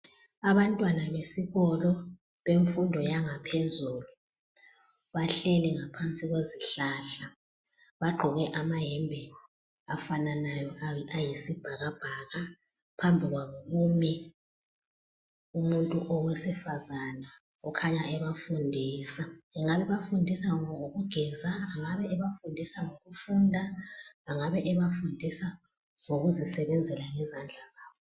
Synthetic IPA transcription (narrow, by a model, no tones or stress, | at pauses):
aβantʼwanaβesiɣɔlɔ | βeɱfundʱɔjaŋapʰezuːlu | βaɬɛlɛŋapʰant͡sʼiɣweziɬaɬa | βaɡ͡ǃʱɔɣɛʔamaɦɛmbʱɛ | afananajɔajisib̥ʱaɣab̥ʱaɣa | pʰambʱiɣwaɣumjɛ | umuntʼuʔɔwesifazana | ukʰaɲaʔɛβafundʱiːsaiŋaβɛβafundʱisaŋɔoɣuɡ̥ʱɛzaːŋaβɛʔɛβafundʱisaŋoɣufuːndʱaːŋaβɛʔɛβafundʱisa | z̥oɣuzisɛβɛnd͡zʱɛlaŋɛzand͡ɮʱazaːwɔ